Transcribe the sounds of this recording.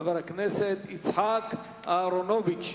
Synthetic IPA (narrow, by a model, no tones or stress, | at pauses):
vɛɾaknɛsɛt̪it͡sʰhakʰ | aɾɔnɔvit͡ʃʰ